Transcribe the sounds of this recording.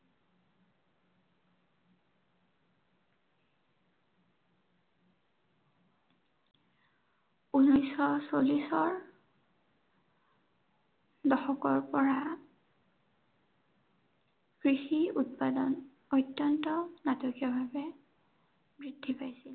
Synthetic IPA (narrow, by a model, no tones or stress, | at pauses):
unɔjsɔsolisɔɹ | dɔxɔkɔɹpɔɹa | kɹixiut̚padɔn | ɔjtːɔntɔnatokijɔbʱabɛ | bɹidʱːipajsil